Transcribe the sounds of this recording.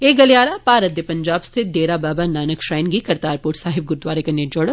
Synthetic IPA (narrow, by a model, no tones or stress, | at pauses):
eːk̚ɡɐljaːɾapaːɾət̪ːjɐpɐ̃ɲd͡ʒaːbst̪ʰɪt̪̚d̪eːɾabaːbanaːnəkʃɾaːjnɡikɐɾt̪aːɾpoːʈsaːɦɪb̚ɡʊɾd̪waːɾekɐned͡ʒɔɽə